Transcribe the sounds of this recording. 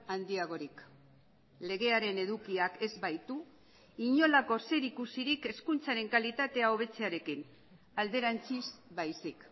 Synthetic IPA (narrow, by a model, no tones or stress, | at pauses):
and̪iaɣ̞o̞ɾik | le̞ɣ̞e̞aɾe̞ne̞ðukiake̞zβajt̪u | iɲo̞lako̞se̞ɾikusiɾike̞skunt͡saɾe̞ŋkalit̪at̪e̞ao̞β̞e̞t͡se̞aɾe̞kin | ald̪e̞ɾant͡sisbajsik